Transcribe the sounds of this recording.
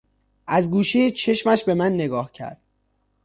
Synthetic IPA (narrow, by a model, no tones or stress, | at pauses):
ʔæzɡuːʃejet͡ʃʰe̞ʃmæʃbe̞mænːe̞ɡɒːhcʰæ̰ɾd̪̥